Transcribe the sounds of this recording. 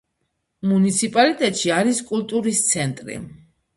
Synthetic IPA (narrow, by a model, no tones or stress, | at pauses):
munit̪sʰipʼalit̪ʼɛt̪ʼʃiaɾiskʼult̪ʼuɾist̪sʰɛnt̪ʼɾḭ